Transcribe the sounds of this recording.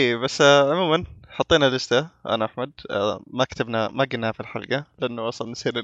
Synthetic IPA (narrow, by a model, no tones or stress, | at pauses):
ʔeːbasːʕʊmuːmanħɑt̪ˤːiːnalɪst̪aʔa̰naʔaħmad̪makt̪abnamaɡɪnːafilħa̰lɡalɪʔanːuwɑsˤɑlnsiːɾ